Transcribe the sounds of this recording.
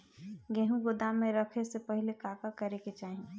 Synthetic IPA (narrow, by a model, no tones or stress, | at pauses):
ɡẽɦũɡʊd̪amẽɾəkʰesepəɦɪlekaːkakəɾeket͡ʃaːɦĩ